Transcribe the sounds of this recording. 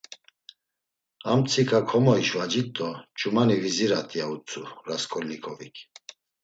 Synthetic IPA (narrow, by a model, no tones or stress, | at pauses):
amt͡sʰikʰʼakʰɔmɔiʃvad͡ʒit̪ʼɔt͡ʃʼumaniviziɾat̪ʼiaut͡sʰʼuɾaskʰʼɔlnikʰʼɔvikʰ